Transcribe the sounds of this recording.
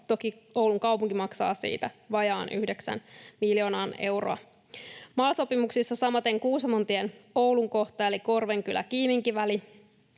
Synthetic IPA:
t̪o̞kiowluŋkɑwpuŋkimɑksɑ̰ːsḭːt̪æʋɑjɑːnʔy̰hde̞ksæ̰nmiljo̞ːnɑːne̞̰wro̰ɑ̰ | mɑlso̞pimuksisːɑsɑmɑt̪e̞ŋkuːsɑmont̪ienowluŋko̞ht̪ɑeliko̞rʋe̞ŋkylæ̰kiːmiŋkiʋæli

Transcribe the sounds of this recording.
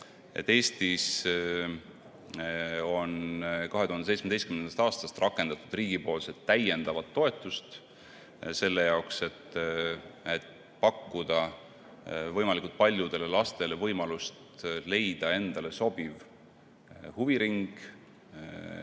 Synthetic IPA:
ḛt̪ːe̞ːst̪is | o̞nkɑɦe̞t̪uhɑnesejtt͡ssmed̪ejstkymnenɑst̪ɑːst̪ɑst̪rɑkːˑe̞nd̪ɑt̪ːˑud̪̥riːɡ̥ipo̞ːlse̞t̪ːæje̞nd̪̥ɑvɑt̪ːo̞e̞t̪ːˑust̪ | se̞lːe̞jɑokse̞t̪ː | et̪ | pɑkːud̪̥ɑ | vɤjmɑlikult̪̚pɑlʲjud̪̥e̞le̞lɑst̪e̞le̞vɤjmɑlust̪le̞jd̪̥ɑe̞nd̪̥ɑle̞so̞b̥iv | huviɾiŋɡ̥

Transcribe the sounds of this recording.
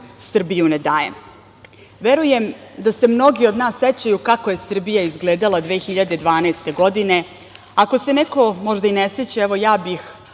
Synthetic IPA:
sr̩bijuned̪aːjḛm | ʋeɾuje̞md̪ase̞mno̞ɡio̞d̪naːsːet͡ɕajukakoje̞sr̩bijaizɡleːd̪alˠad̪ʋe̞ːxiʎad̪e̞d̪ʋaːnaːst̪e̞ɡo̞d̪ine̞ | ako̞se̞neko̞mo̞ʒd̪aineset͡ɕaeʋo̞jaːbix

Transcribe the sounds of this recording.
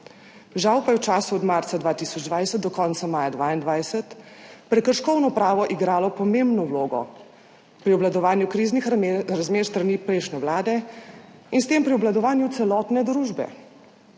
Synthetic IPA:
ʒawpajɛwt͡ʃaːsuɔd̪maɾt̪sad̪ʋaːt̪isɔd͡ʒd̪ʋajsət̪̚d̪ɔkɔːnt̪samaːjad̪ʋaːind̪ʋajsət̪pɾɛkəɾʃkɔwnɔpɾaːʋɔʔiɡɾaːlɔpɔmembnɔwloːɡɔ̰ | pɾiɔblad̪ɔʋaːnjukɾiːznixɾazmeːɾst̪ɾaniːpɾɛjʃnɛwlaːd̪ɛ | inst̪eːmpɾiɔblad̪ɔʋaːnjut̪sɛlɔːt̪nɛd̪ɾuːʒbɛ̰

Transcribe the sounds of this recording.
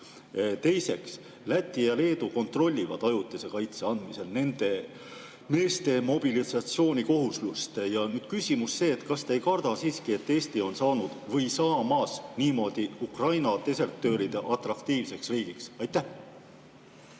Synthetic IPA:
t̪e̞jse̞ks | læt̪ʲːˑijɑle̞ːd̪̥uko̞nt̪ro̞lʲːivɑ̰d̪̥ɑjut̪ːˑise̞kɑjt̪seɑnd̪̥mise̞lne̞nd̪̥e̞ | me̞ːst̪e̞mo̞b̥ilisɑt̪sio̞ːnʲiko̞ɦuslust̪jɑnyːd̪̥kysʲimusːe̞ːt̪ːˑkɑst̪ejkɑrd̪̥ɑsiːskie̞t̪ːe̞ːst̪io̞nsɑːnud̪̥vɤ̞jsɑːmɑːsniːmo̞d̪̥iukrɑjnɑt̪e̞se̞ɾt̪ˑø̞ːɾid̪̥e̞ʔɑt̪rɑkt̪iːvse̞ksriːɡ̥iksɑjt̪ːæh

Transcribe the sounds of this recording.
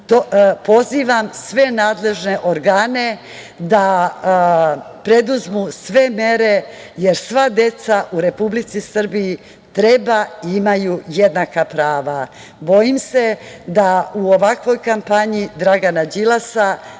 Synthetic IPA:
t̪opo̞ziʋamsʋe̞naːd̪le̞ʒne̞ʔoɾɡaːne̞ | d̪a | pɾe̞d̪uzmusʋe̞me̞ɾe̞ | jeɾsʋad̪e̞t̪saʔuɾe̞publit̪sisr̩biji | t̪ɾe̞baiimajujed̪nakapɾaːʋa | bo̞jimse̞d̪auoʋakʋo̞jkampaɲid̪ɾaɡanad͡ʒilasa

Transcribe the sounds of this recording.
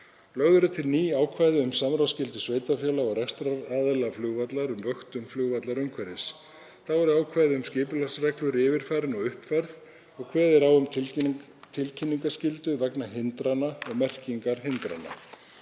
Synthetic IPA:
lœɣðʏɾʏt̪ʰɪlniːaːwkʰvajðɪʏmsamɾawscɪlt̪ʏsveːjt̪afjalaɔɣrɛst̪ɾaaːðɪlaflʏːɣvat̪laɾʏmvœxt̪ʏmflʏɣvat̪laɾʏmkʰvɛɾɪs | θavɛɾʏaːwkʰvajðɪʏmscɪːpʏlasrɛklʏɾɪːvɪɾ̥fajɾɪnɔɣʏhpfaɾð | ɔɣkʰvɛːðɛɾawʏmt̪ʰ | t̪ʰɪlcʰɪnːiŋkascɪlt̪ʏvɛknaɦɪnt̪ɾanaɔɣmɛr̥ciŋkaɾ̥hɪnt̪ɾa̰na̰

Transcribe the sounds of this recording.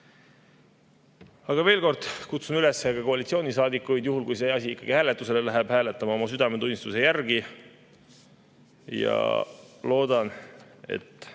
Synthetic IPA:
ɑɡ̥ɑve̞ːlko̞rd̪̥kut̪sunyle̞sːeɡ̥ɑko̞ɑlʲit̪sio̞ːnʲisɑːd̪ikːˑujd̪juɦulkujseɑsʲiikːˑɑɡ̥ihæːle̞t̪ːˑuse̞lelæɦeb̥hæːlet̪ːˑɑmɑo̞mɑsyd̪ɑmet̪unʲːist̪use̞jærɡ̥i | jɑ̰lo̞ːd̪̥ɑne̞̰t̪ːˑ

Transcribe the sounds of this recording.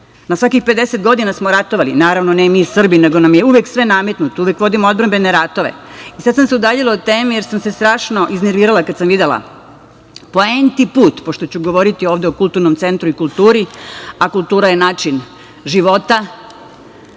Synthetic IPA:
nasʋakixpe̞d̪e̞set̪ɡo̞d̪inasmoɾat̪o̞ʋalinaːɾaʋnonemisr̩bine̞ɡo̞namje̞uʋjeksʋe̞name̞t̪nut̪ouʋje̞kʋo̞d̪imood̪bɾambe̞ne̞ɾat̪o̞ʋe̞̰isad̪samseud̪aːʎilˠaut̪eːmije̞ɾsamse̞st̪ɾaːʃno̞ʔizne̞ɾʋiːɾalˠakad̪samʋid̪elˠa̰ | po̞ent̪ipuːt̪po̞ʃt̪o̞t͡ɕuɡo̞ʋo̞ɾit̪ioːʋd̪e̞okulˠt̪uɾnomt̪se̞nt̪ɾuikulˠt̪uːɾiakulˠt̪uːɾaje̞naːt͡ʃin | ʒiʋo̞t̪a

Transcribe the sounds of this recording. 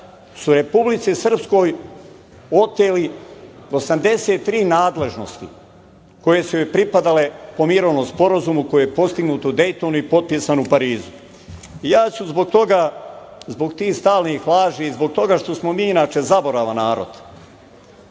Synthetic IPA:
suɾe̞publit̪sisr̩psko̞j | o̞t̪eliosamd̪e̞seːt̪ːɾiːnaːd̪le̞ʒno̞̰st̪ḭ | ko̞je̞suepɾipad̪ale̞po̞miɾo̞ʋnospo̞ɾazumuko̞jejepo̞st̪iɡnuːt̪od̪e̞jt̪onuipo̞t̪̚pisanupaɾiːzu | ijaːsuzbo̞ɡ̚t̪o̞ɡa | zbo̞ɡt̪iːst̪aːlnixlaːʒiizbo̞ɡ̚t̪o̞ɡaʃt̪o̞smo̞miːinaːt͡ʃe̞zabo̞ɾaʋanaːɾo̞̰d̪̥

